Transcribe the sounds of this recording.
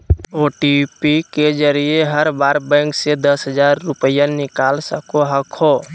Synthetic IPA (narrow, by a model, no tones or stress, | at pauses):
oːʈipiked͡ʒəɾieɦəɾbaːɾbɛ̃ːŋksed̪əsɦəd͡ʒaːɾːʊpəjanɪkaːlsəkoɦəkʰoː